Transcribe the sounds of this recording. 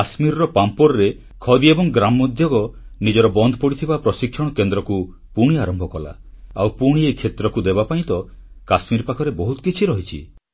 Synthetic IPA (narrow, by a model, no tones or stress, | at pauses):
asmiɾɔɾɔpampɔɾɔɾe | kʰɔd̪iebɔŋɡɾamɔd̪ʱjɔɡɔnid͡ʒɔɾɔbɔnd̪ʱɔpɔɽit̪ʰibapɾɔsikʰːjɔɽ̃ɔkend̪ɾɔku | puɽ̃iaɾɔmbʱɔkɔla̰ | a̰wpuɽ̃iekʰet̪ɾɔkud̪ebapaĩt̪ɔkasmiɾpakʰɔɾebɔɦut̪ɔ̥kit͡ʃʰiɾɔɦit͡ʃʰḭ